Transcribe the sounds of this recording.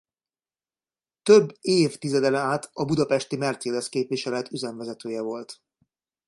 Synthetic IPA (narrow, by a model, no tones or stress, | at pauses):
t̪øbːeːft̪izɛd̪ɛlɛaːt̪ɒbud̪ɒpɛʃt̪imɛrt̪seːd̪ɛskeːpʋiʃɛlɛt̪yzɛɱvɛzɛt̪øːjɛvo̞lt̪